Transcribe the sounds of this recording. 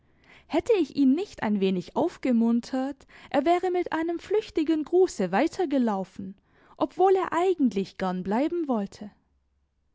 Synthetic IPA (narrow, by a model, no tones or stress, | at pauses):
hɛtʰəɪçʔiːnːɪçta̰ɪnveːnɪçʔaʊfɡ̥əmʊntʰɐtʔeːɐvɛːʁəmɪtʔaɪnəmflʏçtɪɡənɡʁuːsəvaɪtʰɐɡəlaʊfn̩ | ʔɔpv̥oːleːɐʔaɪɡŋ̩tlɪçɡ̥ɛɐnblaɪbm̩vɔltʰə